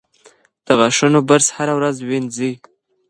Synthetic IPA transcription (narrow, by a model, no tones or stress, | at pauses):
d̪̥əɣaʂunobəɾshaɾawɾazwinzi